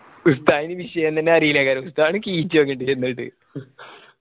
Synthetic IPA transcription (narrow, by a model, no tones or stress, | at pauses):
ust̪aːjinɨʋiʂɐjɐnt̪ɐnːeɐɾiːlakaːɾɐmust̪aːɳɨkiːt͡ɕːɨʋɐŋɡːiʈːɖɨt͡ɕeɾnːɐʈːɨ̰